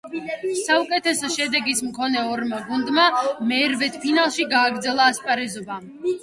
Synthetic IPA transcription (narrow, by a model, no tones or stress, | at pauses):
saukʼɛt̪ʰɛsɔʃɛd̪ɛɡismkʰɔnɛɔɾmaɡund̪mamɛɾvɛt̪ʰpʰinalˠʃiɡaːɡɾd̪zɛlˠaːspʼaɾɛzɔba